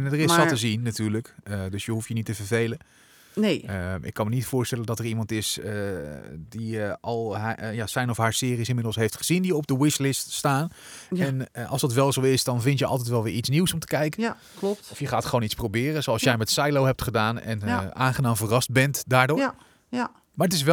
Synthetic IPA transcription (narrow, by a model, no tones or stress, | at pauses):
ndərɪsɑtəzinːatyːɹləkədɵsjəɦuftjənitəvəɹvejlən | neəʔɪ̰kːɑnmənitfʊːɹstɛləndɑtəɹimɑntɪsə | diɑlˠjaːsɛjnɔfɦaːɹsɪːrisɪnmɪdl̩ˠsɦejftχəz̥indijɔb̚dəwɪslɪststaːn | ɛnʔɑ̰lˠsdɑtʋɛlˠzowɪsdɑnvɪntjəɑ̰lˠtɛjtʋɛlˠʋɪːɹitsniwsɔmtə̥kɛjkən | ptɔfjəχaːtχəʋownitsprowbɪːrənzowɑlˠsjɛjmɛtsajlowɦɛp̚tχədaːnɛ̰naːnχənaːmvərɑsd̚bɛntdaːɹdʊ | maɹətɪs̬ʋɛ